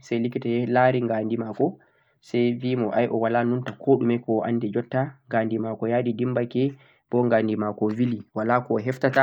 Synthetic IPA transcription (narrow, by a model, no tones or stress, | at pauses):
sɛjlikitɛlaɾiŋɡandimaːkɔ | sɛjvimɔʔajʔɔwalanuntakʰoːɗumɛkɔʔa̰ndɛd͡ʒɔtːaŋɡandimakɔjaɗidimbakɛ | b̥ɔŋɡandimakɔwiliwalakɔɦɛftata